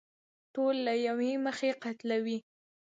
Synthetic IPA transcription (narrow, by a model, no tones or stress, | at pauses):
ʈolːajaweməxeqat̪lawi